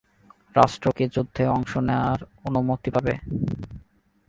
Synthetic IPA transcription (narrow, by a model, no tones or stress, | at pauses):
ɾaʃʈɾoked͡ʑud̪ʱːeɔŋʃoneoaɾonumot̪ipabe